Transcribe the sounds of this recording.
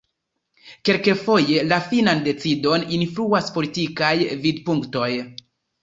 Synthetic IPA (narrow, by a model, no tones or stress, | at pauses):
ke̞lke̞fo̞je̞lafinande̞t͡sido̞ninfluaspo̞litikajvidpuŋkto̞j